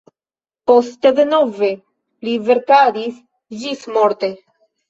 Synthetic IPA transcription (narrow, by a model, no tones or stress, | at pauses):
post̪ed̪enove | liveɾkadis | d͡ʒismoɾt̪e